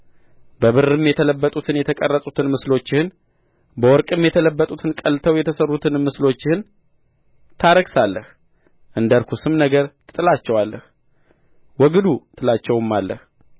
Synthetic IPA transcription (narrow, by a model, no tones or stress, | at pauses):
bəβɨrːɨmjɛt̪ʰələbːət̪ʼut̪ʰɨnjɛt̪ʰəkʼərːət̪ʼut̪ʰɨnmɨslo̞t͡ʃːɪhɨn | bəwɔɾkʼɨmjɛt̪ʰələbːət̪ʼut̪ʰɨnkʼəlt̪ʰəwjɛt̪ʰəsərːut̪ʰɨnmɨslo̞t͡ʃːɪhɨn | t̪ʰaɾəɡsalːəh | ʔɨnd̪əɾkʰusɨmnəɡəɾt̪ʰɨ̥t̪ʼɨlat͡ʃːɛwalːəh | wɔɡɨd̪ut̪ʰɨlat͡ʃːɛwɨmːalːə̰h